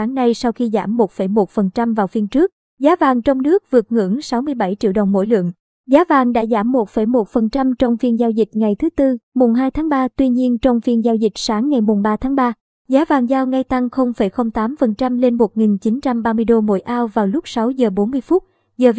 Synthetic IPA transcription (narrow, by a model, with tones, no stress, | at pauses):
aː˨˦ŋna˧jsa˧wxi˧za̰ː˧˩mːo˨˩t̚fə˧˩jmo˨˩t̚fə˨˩nt͡ɕa˧mvaː˨˩wfi˧ənt͡ɕɨ˦˥ək̚ | zaː˨˦vaː˨˩ŋt͡ɕɔ˧wŋ͡mnɨ˦˥ək̚vɨ˨˩ət̚ŋɨ̰˧˥ŋsa˨˦wmɨ˧əjɓa˧˩jt͡ɕḭ˧˨əwɗə˨˩wŋ͡mmo̰˧˥jlɨ̰˧˨əŋ | zaː˨˦vaː˨˩ŋɗa̰ː˧˥zaː˧˩mːo˨˩t̚fə˧˩jmo˨˩t̚fə˨˩nt͡ɕa˧mt͡ɕɔ˧wŋ͡mfi˧ənzaː˧wzï˨˩k̚ŋa˨˩jt̪ʰɨ˨˦t̪ɨ˧mu˨˩ŋ͡mɦaː˧jt̪ʰaː˨˦ŋɓaː˧t̪wi˧ɲi˧ənt͡ɕɔ˧wŋ͡mfi˧ənzaː˧wzï˨˩k̟̚saː˨˦ŋːa˨˩jmʊ˨˩ŋ͡mɓaː˧t̪ʰaː˨˦ŋɓaː˧ | zaː˨˦vaː˨˩ŋzaː˧wŋa˧jt̪a˧ŋxə˧wŋ͡mfə˧˩jxə˧wŋ͡mt̪aː˨˦mfə˨˩nt͡ɕa˧mle˧nmo˨˩t̚ŋi˨˩nt͡ɕi˨˦nt͡ɕa˧mɓaː˧mɨ˧əjɗo˧mo̰˧˥jʔaː˧wvaː˨˩wlʊ˦˥k͡p̚sa˨˦wzəː˨˩ɓo˨˦nmɨ˧əjfu˦˥t̚ | zəː˨˩